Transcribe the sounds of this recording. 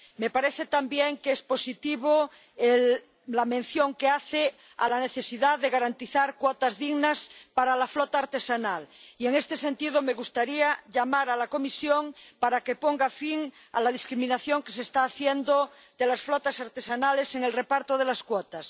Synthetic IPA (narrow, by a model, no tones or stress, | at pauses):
me̞paɾeθet̪ambjeŋkespo̞sit̪iβo | elː | amẽn̟θjoŋkeaθe | a̰laneθesiðaðeɣaɾant̪iθaɾkwot̪azðiɣnaspaɾalaflot̪aːɾt̪e̞sanalieŋest̪ese̞nt̪iðome̞ɣust̪aɾiaʎamaɾalakomisjoŋpaɾakepoŋɡafiŋa̰laðiskɾimĩnaθjoŋkes̬est̪aːθjend̪o | d̪elasflot̪asaɾt̪esanale̞se̞ŋe̞lrepaɾt̪oðelaskwot̪as